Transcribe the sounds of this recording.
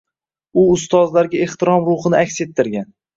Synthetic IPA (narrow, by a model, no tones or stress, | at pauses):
ʊʊst̪ɒzlaɾɡʲae̞χt̪ʰɪɾɒmɾʊχɨnɪakʲse̞t̪ʰːɪɾɡʲan